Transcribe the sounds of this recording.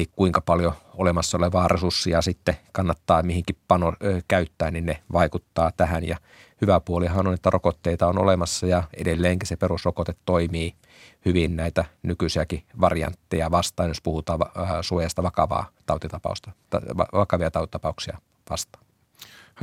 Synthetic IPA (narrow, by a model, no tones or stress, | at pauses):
likkuiŋkɑpɑljoolemɑsːɑoleʋɑːrʔesursːiɑsit̪ːekɑnːɑt̪ːɑːmihiŋkippɑnokæyt̪ːæːnninneʋɑikut̪ːɑːt̪æhænjɑ | hyʋæpuoliɦɑnonet̪ːærokot̪ːeit̪ɑono̰lemɑsːɑjɑedelːeːŋkisepeɾusrokot̪et̪toimiː | hyʋinnæit̪ænykysiækiʋɑrijɑ̰nt̪ːejɑʋɑst̪ɑːnjospuhut̪ɑːɑsuojɑst̪ɑʋɑkɑʋɑ̰ːt̪ɑut̪it̪ɑpɑ̰ust̪ɑɑ̰ʋɑkɑʋiɑt̪ɑut̪i̥t̪ɑpɑuksiɑ | ʋɑ̰st̪ɑ̥ːn